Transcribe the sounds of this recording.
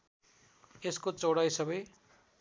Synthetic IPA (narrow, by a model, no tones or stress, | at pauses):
eskot͡soɽajsʌbʌj